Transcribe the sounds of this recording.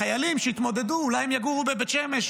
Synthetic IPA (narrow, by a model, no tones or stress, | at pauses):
ajalimʃeit̪mo̞d̪ed̪uːlajemjaɡuʁubebet̪ʃeme̞ʃ